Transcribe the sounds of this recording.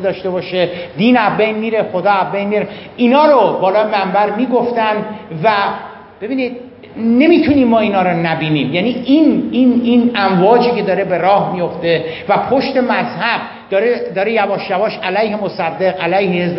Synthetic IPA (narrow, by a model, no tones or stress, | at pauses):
d̪ɒːʃt̪e̞bɒːʃe̞d̪iːnæzbejnmiːɾe̞xo̞d̪ɒːæzbejnmiːɾeʔiːnɒːɾobɒːlɒːjemæmbæɾmiːɡo̞ft̪ænd̪væ | b̥e̞biːnid̪̥̚ | ne̞miːt̪ʰuniːmːɒːiːnɒːɾonæbiːniːmjæniʔinininæmvɒːd͡ʒiːcʰe̞d̪ɒːɾebe̞ɾɒːhmijo̞ft̪e̞ | væpʰoʃt̪e̞mæzhæb̥̚ | d̪̥ɒːɾed̪ɒːɾejæbɒːʃjævɒːʃælæjhe̞mosæd̪ːe̞ɣælæjhehezb